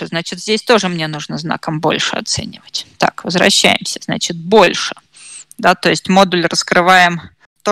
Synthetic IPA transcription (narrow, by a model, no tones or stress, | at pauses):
znat͡ɕɪt̪zʲdʲesʲt̪o̞ʐɨmnʲenuʐnəzna̰kəmbo̞̰lʲʂɨɐ̰t̪sɛ̰nʲɪvətʲt̪a̰kvəzvɾɐ̰ɕːæ̰jɪmsʲə̥z̥nat͡ɕɪt̪̚bo̞lʲʂɨ̥ | d̪at̪o̞ɪsʲtʲmo̞d̪ʊlʲrəskɾɨvajɪm | t̪o